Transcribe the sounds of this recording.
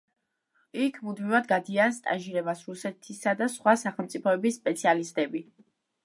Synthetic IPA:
ikʰmud̪mivad̪ɡad̪ianst̪ʼa̰nʒiɾɛbasɾusɛt̪ʰisad̪asχwasaχɛlˠmt̪sʼipʰɔɛbisːpʼɛt̪sʰialist̪ʼɛbi

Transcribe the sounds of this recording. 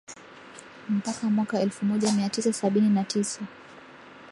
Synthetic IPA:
m̩pakamwakaɛlfumɔʄamiatisasaɓininatisa

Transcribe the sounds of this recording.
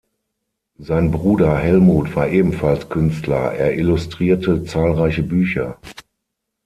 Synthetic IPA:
zaɪnbʁuːdɐhɛlmuːtv̥aːɐʔeːbm̩falskʰʏnstlɐ̰ʔeːɐʔɪlʊstʁ̥iːɐtət͡saːlʁaɪçəbyːçɐ

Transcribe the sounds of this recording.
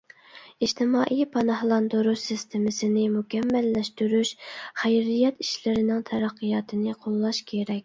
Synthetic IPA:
iʃt̪ʰɪmɑːʔijpʰɑnɑhlˠɑnd̪oɾusɪst̪ʰemɪsɪnɪmukʲɛmːælːɛʃt̪yɾyʃχæjɾijɛt̪i̥ʃlɪɾɪnɪŋt̪ʰɛɾæqːɨjɑːt̪ʰɨnɪqʰolˠːɑʃkʲʰeɾɛkʲ

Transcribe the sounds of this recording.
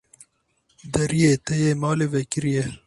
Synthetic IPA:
d̪ɐɾijeːt̪ejeːmɑːleːʋekɪɾije

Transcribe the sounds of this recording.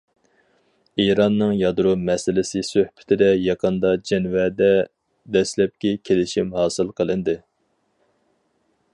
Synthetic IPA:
iɾɑnːɨŋjɑd̪ɾumɛsɪlɪsɪsøhpʰɪ̥t̪ʰɪd̪ɛjɑqʰənd̪ɑd͡ʒɛnwɛd̪ɛ | d̪ɛslɛp̚kʲikʲʰelɪʃimhɑːsɨlˠqʰəlˠɨnd̪ɨ

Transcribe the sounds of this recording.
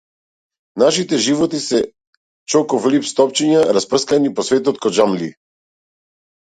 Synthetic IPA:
naʃit̪ɛʒivɔt̪isɛ | t͡ʃɔkɔflipst̪ɔpt͡ʃiɲaɾaspr̩skanipɔsvɛt̪ɔt̪kɔd͡ʒamlḭ

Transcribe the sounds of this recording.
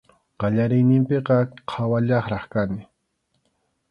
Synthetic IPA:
qɑʎaɾɪjnɪmpeqɑqʰawaʎɑχɾɑχkanɪ

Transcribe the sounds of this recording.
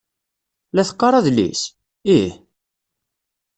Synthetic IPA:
læθə̥qːɑɾˤɑðlḭs | ih

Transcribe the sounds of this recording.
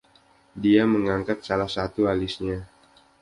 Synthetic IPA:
diaməŋaŋkat̪̚salahsat̪ualisɲa

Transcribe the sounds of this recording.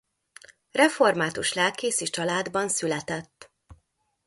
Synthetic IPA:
rɛfo̞rmaːt̪uʃlɛlkeːsit͡ʃɒlaːd̪bɒnsylɛt̪ɛt̪ː

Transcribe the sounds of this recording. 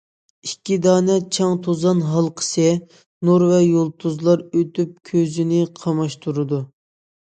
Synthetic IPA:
ikʲːid̪ɑːnɛt͡ʃʰɑŋt̪ʰozɑnɦɑlˠqʰə̥sɨ | nuɾvɛjolˠt̪ʰuzlˠɑɾøt̪yp̚kʲʰøzɪnɪqʰɑmɑʃt̪ʰuɾɨd̪u

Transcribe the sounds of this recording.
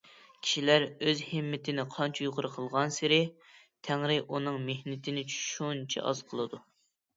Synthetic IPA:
kʲʰi̥ʃilæɾøzhɪmːɪt̪ʰɪnɪqʰɑnt͡ʃʰɛjuʁʊɾɨqʰəlˠʁɑnsɪɾɪ | t̪ʰæŋɾɪʔunɨŋmehnɪt̪ʰɪnɪʃunt͡ʃʰɛ̰ʔɑ̰z̥qʰəlˠɨd̪u

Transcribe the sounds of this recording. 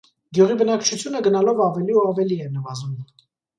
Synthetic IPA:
ɡjuʁibənɑkt͡ʃʰut͡sʰjunəɡənɑlɔvɑvɛliuɑvɛliɛnəvɑzum

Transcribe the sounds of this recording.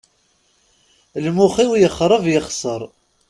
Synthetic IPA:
lmuχiwjəχːɾˤəvjəχsəɾˤ

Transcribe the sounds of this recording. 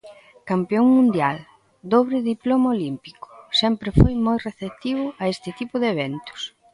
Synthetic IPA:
kampeoŋmũnd̪jal | d̪oβɾɪðiplomaolimpikʊ̥sɛmpɾɪfojmojreθep̚t̪iβ̞ʊɐest̪ɪt̪ipʊðeβ̞ɛnt̪ʊ̥s

